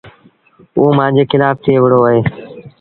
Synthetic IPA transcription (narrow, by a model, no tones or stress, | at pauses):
uːmãːnd͡ʑeːxɪlaːft̪ʰeːʋəɽoːəɦeː